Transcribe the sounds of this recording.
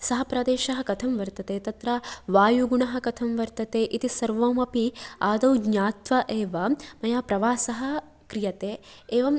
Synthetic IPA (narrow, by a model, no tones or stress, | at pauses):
sɐɦɐpɾɐd̪eːʃɐɦɐkɐt̪ʰɐmʋɐɾt̪ɐt̪eːt̪ɐt̪ɾaʋaːjuɡuɳɐɦɐ̆kɐt̪ʰɐmʋɐɾt̪ɐt̪eːʔit̪isɐɾʋoːmɐpiaːd̪ɐwɡɲaːt̪ʋɐʔeːʋɐmɐjaːpɾɐʋaːsɐɦɐ̆ | kɾijɐt̪eːeːʋɐm